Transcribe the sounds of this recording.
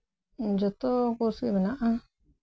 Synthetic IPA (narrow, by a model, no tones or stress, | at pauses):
nd͡ʒot̪okusiβenãʔã